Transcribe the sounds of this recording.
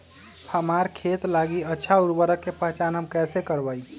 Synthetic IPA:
həmaɾkʰet̪laɡiətːʃʰauɾbəɾəkːepəɦt͡ʃanɦəmkɛsekəɾbəj

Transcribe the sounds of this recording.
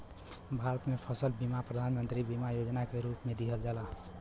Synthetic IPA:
bʱaɾət̪mepʰəsəlbimapɾəd̪ʱanmənt̪ɾibimajod͡ʒnakeɾuːpmẽd̪iɦəld͡ʒaːla

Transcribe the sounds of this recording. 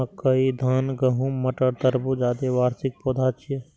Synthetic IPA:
kəid̪ʱaːnɡəɦũməʈəɾt̪əɾbud͡ʒaːd̪eʋaːɾsɪk̚poːd̪ʱaːt͡ʃʰije

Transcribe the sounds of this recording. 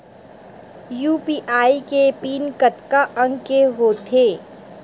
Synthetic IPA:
juːpiːʔaːikepiːnkət̪kaʔə̃ŋɡkeɦoːt̪ʰeː

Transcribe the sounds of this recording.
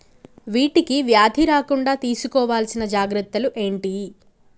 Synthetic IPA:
ʋiːʈikiʋjaːd̪ʱiɾaːkuɳɖaːt̪iːsukɔːʋaːlsinɐd͡ʒaːɡɾɐt̪ːɐluʔe̞ːɳʈi

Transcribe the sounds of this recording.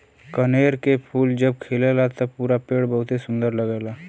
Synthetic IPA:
kəneːɾkepʰuːld͡ʒəb̚kʰelelat̪əpuːɾapeɽbəɦʊt̪esʊ̃nd̪əɾləɡɛːla

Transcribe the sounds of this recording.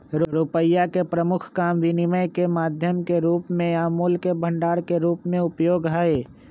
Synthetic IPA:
ɾʊɾupəjakepɾəmʊkʰkaːmʋinɪməjkemaːd̪ʱjəmkeɾuːpmẽaːmoːlkebʱə̃ɳɖaːɽkeɾuːpmẽʊpjoːɡɦaːe

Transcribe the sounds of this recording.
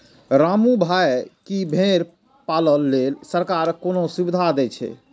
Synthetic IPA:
ɾamubʱajkibʱeɾ | paləlːelsəɾkaɾkonosubid̪ʱad̪ɛt͡ʃʰɛ̰

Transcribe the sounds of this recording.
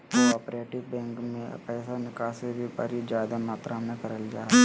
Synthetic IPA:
oɔːpɾeːʈɪʋbɛ̃ːŋkmẽpɛːsanɪkasebʱipə̰ɾid͡ʒaːd̪amaːt̪ɾamẽkɐɾəld͡ʒaː

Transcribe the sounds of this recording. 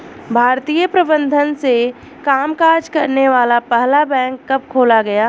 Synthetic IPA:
bʱaːɾt̪ijəpɾɐbə̃nd̪ʱənse | kaːmkaːɾd͡ʒkɐɾneʋaːlapɛɦlabɛ̃ːŋkːɐp̚kʰoːlaɡɐjaː

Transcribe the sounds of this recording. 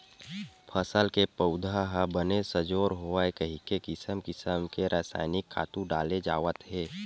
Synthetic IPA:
pʰəsəlkepəʊd̪ʱaɦabənesəd͡ʒoːɾɦoaekəɦikekɪsəmkɪsəmkeɾʔaːsa̰ːɪnɪkʰːa̰ːt̪ũɖaːled͡ʒaːʋət̪ɦeː

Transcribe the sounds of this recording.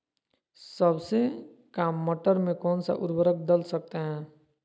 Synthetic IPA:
səbse | kaːmːəʈəɾmẽkɔːnsa̰ʔʊɾbəɾək̚d̪əlsək̚t̪eɦɛ̃ː

